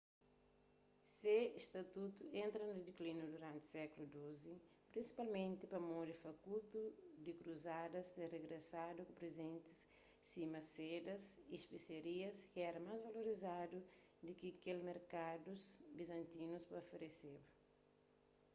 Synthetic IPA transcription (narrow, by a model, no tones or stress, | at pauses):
seiʃt̪ɐt̪ut̪uẽnt̪ɾɐnud̪iklinud̪uɾãnt̪sɛkulud̪ozi | pɾĩnsi̥palmẽnt̪ipɐmõd̪ifɐkut̪ud̪ikɾuzad̪ɐst̪ereɡɾesad̪ukupɾezẽnt̪i̥sː | imɐsed̪ɐsiʃpeseɾiɐskiɛɾɐmajzvɐloɾizad̪u | d̪ɪkikelmeɾkad̪uzbizɐ̃nt̪inuspɐofeɾesebɐ